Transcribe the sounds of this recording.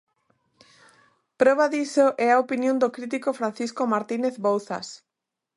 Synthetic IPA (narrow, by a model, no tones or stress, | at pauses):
pɾɔβ̞aðisoʔɛaopinjõnd̪okɾit̪̬ikofɾan̟θiskomaɾt̪ineθβowθa̰s